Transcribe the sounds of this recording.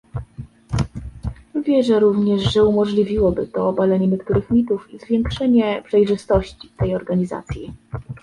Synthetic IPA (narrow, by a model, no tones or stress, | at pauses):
vʲjɛʐɛɾuvɲɛʂʐɛumɔʐlʲivʲiwɔbɘt̪ɔːbalɛɲɛɲɛkt̪uɾɘxmʲit̪ufizvʲjɛŋkʂɛɲɛpʂɛjʐɘst̪ɔɕt͡ɕi̥t̪ɛjɔɾɡaɲiza̰t̪sʲji